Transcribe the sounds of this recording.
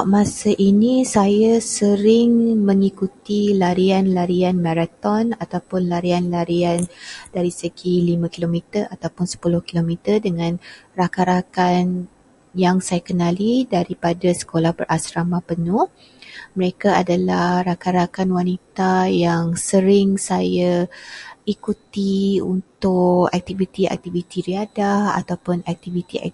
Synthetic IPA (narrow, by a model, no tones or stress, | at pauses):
aʔmasaʔinisajasəɾɪŋmə̃ŋikut̪ilaɾianlaɾianmãɾat̪ɔnat̪awpʊnlaɾianlaɾiand̥aɾisəɡilimãkilomit̪ərat̪awpʊnsə̥pulʊhkilomit̪ərdəŋãnrakaɾakan | jaŋsajakənalidaɾipadasə̥kolahpərʔasɾamapənʊh | məɾekaadalahrakaɾakanwanit̪ajaŋsəɾɪŋsaja | ikut̪iṵnt̪ʊka̰k̚t̪ivit̪iɛ̰k̚t̪ivit̪iɾiadaha̰t̪awpʊnɛk̚t̪ivit̪iɛ̰